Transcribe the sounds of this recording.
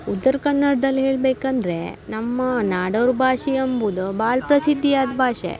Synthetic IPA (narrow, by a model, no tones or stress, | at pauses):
ut̪ːɐɾkɐnːɐɽɐd̪ɐlːɦeːɭbeːkɐnd̪ɾe̞nɐmːɐnaːɖɐʋɾbʱaːʂiɐmbud̪ubaːɭpɾɐsid̪ʱːijaːd̪bʱaːʃḛ